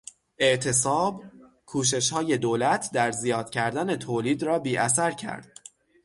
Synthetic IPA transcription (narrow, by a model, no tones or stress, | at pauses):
ʔe̞ʔt̪ʰe̞sɒːb | kʰuːʃ̬e̞ʃhɒːje̞d̪oːlæt̪ʰd̪æɾzijɒːd̪̥̚cʰæɾd̪æne̞t̪ʰoːliːd̪ɾɒːbiːʔæs̬æɾcʰæ̰ɾd̪̥̚